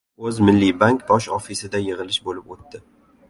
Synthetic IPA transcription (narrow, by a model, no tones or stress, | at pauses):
ɵzmɪlːibaŋkb̪ɒʃɒfisɪd̪ajɪʁɨlɪʃbolɪpot̪ːɪ